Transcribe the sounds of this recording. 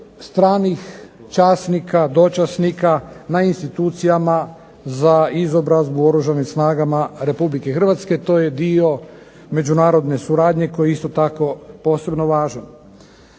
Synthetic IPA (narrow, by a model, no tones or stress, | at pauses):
st̪ɾaːnix | t͡ʃaːsnikad̪o̞t͡ʃasnikanainst̪it̪uːt̪sijama | zaizo̞bɾazbuo̞ɾuʒanimsnaːɡamaɾe̞publikexr̩ʋat̪ske̞t̪o̞ːjed̪io̞ | me̞d͡ʒunaːɾo̞d̪ne̞suɾaːd̪ɲe̞ko̞jeist̪o̞t̪ako̞po̞ːse̞bno̞ʋaːʒan